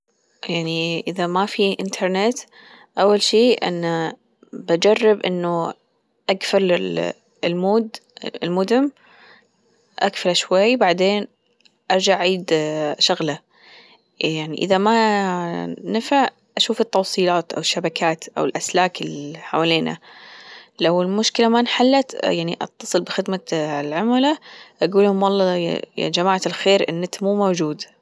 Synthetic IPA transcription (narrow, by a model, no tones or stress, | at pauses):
jaʕniʔɪðamafiʔɪnt̪ʰɑɾˤnet̪ | ʔawːalʃiːʔɪ̰nːa | bad͡ʒɑrˤːɪbʔɪnːu | ʔakfɑɾ | lmuːd̪lmʊd̪ʊm | ʔakfɪlaʃwajbaʕd̪eːn | ʔɑɾˤd͡ʒaʕʔʕiːd̪ʃaɣla | jaʕniʔɪ̰ðama | nafaʕ | ʔaʃuːfɨt̪ːɑwsˤiːlɑːt̪ʔa̰wɪʃːabakaːt̪ʔa̰wɪlʔaslaːkɪlħa̰waːleːnʔa̰ | lawɪlmʊʃkɪlamanħalːat̪jaʕniʔɑ̰t̪ːɑ̥sˤɨlbɪxɪd̪malʕʊmalaʔaɡuːlhʊmwɑlˤːɑ̰ja̰d͡ʒamaːʕat̪ɪlxeːɾʔɪ̰nːɪt̪muːmowd͡ʒuːd̪